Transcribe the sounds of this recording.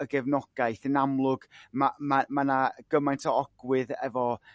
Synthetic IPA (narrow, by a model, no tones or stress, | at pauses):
əɡɛvnɔɡ̥ajθənamlˠʊɡ̥mamamanaɡ̥əmajntʰɔɔɡ̥wɪðɛ̰vɔ